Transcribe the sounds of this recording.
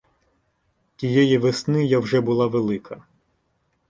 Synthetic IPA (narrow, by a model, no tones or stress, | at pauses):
tʲijɛjiʋesnɪjawʒɛbʊlˠɑʋelˠɪkʰɐ